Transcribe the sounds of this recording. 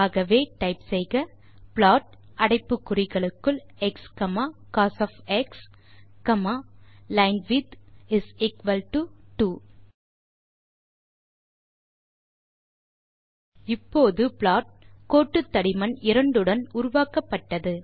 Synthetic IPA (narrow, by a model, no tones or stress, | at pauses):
aːɣɐʋeːʈɐɪpsɛjɣɐ | pɭaːʈ̚ | ɐɽɐɪpːɯkːʊrɪɣɐɭɯkːɯɭɛkskɐmaːkaːsɐfɛks | kɐmalɐɪnʋɪd̪ɪsɪkʋɐlʈuʈuː | ɪpːoːðɯpɭaːʈ̚koːʈːɯt̪ːɐɽɪmɐnɪɾɐɳɖɯɽɐnʊɾʊʋaːkɐpːɐʈːɐðɯ